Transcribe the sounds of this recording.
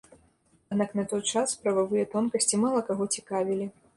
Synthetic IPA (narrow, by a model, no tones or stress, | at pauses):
ad̪naknɐt̪ɔjt͡ʂaspɾɐvavɨjɛt̪ɔnkɐsʲt͡sʲimalˠɐkaɣɔt͡sʲikavʲilʲi